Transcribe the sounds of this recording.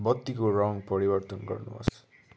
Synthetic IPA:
bʌt̪ːikoraŋpʌɾibʌrt̪ʌnɡʌ̰rnṵɦʌ̰s

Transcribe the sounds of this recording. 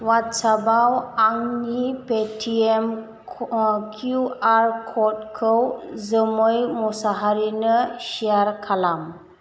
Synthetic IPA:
watsabawaŋnipetʰiem | kʰjuaɾkʰɔtkʰɯwzəmɯjmɔsaɦaɾinɯsijaɾkʰalam

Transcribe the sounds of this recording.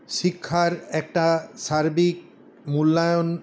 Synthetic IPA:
ʃikʰːaɾɛk̚ʈaʃaɾbik̚ | mulːajon

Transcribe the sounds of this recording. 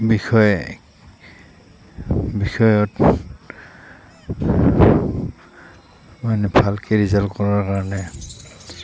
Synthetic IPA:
bixɔjɛ | bixɔjɔt | manɛbʱalkeɹizalkɔɹaɹkaɹɔnɛ

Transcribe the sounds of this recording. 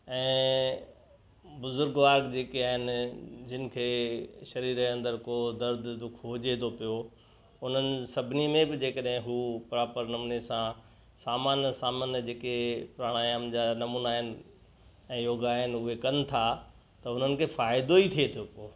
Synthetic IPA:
ɛ̃ː | bʊzʊɾɡʋaːɾɡd͡ʑeːkiaːɦɪnd͡ʑɪnɪ̆kʰeːʃɐɾiːɾeɐ̃nd̪əɾkoːd̪ɐɾd̪ʱd̪ʊkʰoːd͡ʑeːd̪opijo | ʊn̤ənɪsɐbʱnimẽbɪd͡ʑeːkəɗɦɪ̃ɦuːpɾaːpəɾnɐmuːnesã | saːmaːnəsaːməːnjəd͡ʑeːkepɾaːɽ̃aːjaːmd͡ʑaːnɐmuːnaːɦɪnɪ̆ | ɛ̃ːjoːɡaːɦɪnʊɦekɐnɪ̆t̪ʰa | t̪ɐʊn̤ənɪ̆kʰeːfaːɪd̪oit̪ʰiet̪ʰijopoː

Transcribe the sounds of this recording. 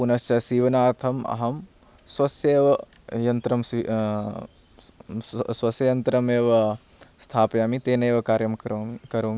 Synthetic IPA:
punɐst͡ʃɐsiːʋɐnaːɾt̪ʰɐmɐ̰ɦɐm | swɐsjeːʋɐ | jɐnt̪ɾɐmsi | sʋɐsjɐjɐnt̪ɾɐmeːʋɐ | st̪ʰaːpjaːmit̪eːneːʋɐkaːɾjɐmkɐɾoːm

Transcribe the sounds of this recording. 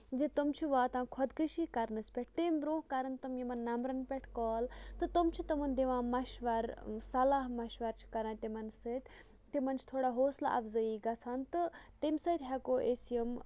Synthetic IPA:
d͡ʒit̪umt͡ʃʰiʋaːt̪ãːnkʰɐd̪kɨʃikɐɾnɨspʲɛʈ̚ʰt̪imʲbɾõːɦkɐɾɨnt̪umjimɐnːɐmɾɐnpʲɛʈʰkɔːlt̪ɨt̪umt͡ʃʰit̪ɨmɐnd̪iʋãːmɐʃʋɐɾsɐlaːɦmɐʃʋɐɾt͡ʃʰi̥kɐɾãːt̪imɐnsɨt̪ʲ | t̪imɐnt͡ʃʰi̥t̪ʰoːɽaɦoːsla̰ʔɐ̰fzɐiːɡɐt͡sʰaːnt̪ɨt̪imsɐt̪ʲɦɛkoːʔesjɐm

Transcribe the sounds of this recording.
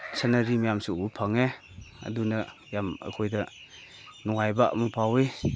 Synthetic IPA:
sanaɾimajamsuupʰaŋe | ɐ̰dunɐjamɐ̰kʰojdɐ | nɔŋajba̰mupʰawe

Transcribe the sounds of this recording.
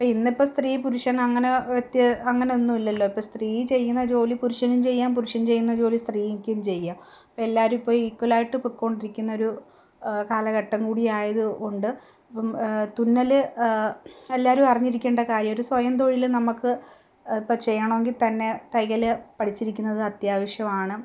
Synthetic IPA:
ɐpːoːinːipːost̪riːpuɾuʂɐnɐŋːɐneʋet̪jɐɐŋːɐneonːumilːɐlːoipːost̪riːjit͡ɕe̞jːunːɐt͡ɕo̞ːlipuɾuʂɐnumt͡ɕe̞jːaːmpuɾuʂɐnt͡ɕe̞jːunːɐd͡ʑo̞ːlist̪riːjikːejumt͡ɕe̞jːaːm | ɐpːoelːaːɾumpːo̞ːjikwɐlaːjiʈːɨpukːo̞ːɳɖiɾikʲːunːɐo̞ɾu | kaːlɐɣɐʈːɐŋkuːɽijaːjɐðɨuɳɖɨ | ɐpːɐmt̪unːɐlɨ | e̞lːaːɐɾumɐrɐɲːiɾikʲːeːɳɖɐkaːɾjɐmo̞ɾusʋɐjɐmt̪̬o̞ːɻilnɐmukːɨ | ipːɐt͡ɕe̞jːɐɳɐmeŋɡilt̪ɐnːe̞t̪ɐjɣɐlɨpɐʈʰit͡ɕːiɾikʲːunːɐðɨɐt̪jaːʋɐʂjɐmaːɳɨ

